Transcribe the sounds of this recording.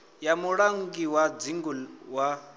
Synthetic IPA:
jamuɺaŋɡiwad͡ziŋɡuwa

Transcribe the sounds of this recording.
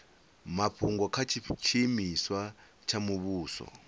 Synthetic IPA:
mapʰuŋɡɔkʰat͡ʃʰit͡ʃʰimiswa | t͡ʃʰamuβuːsɔ̰

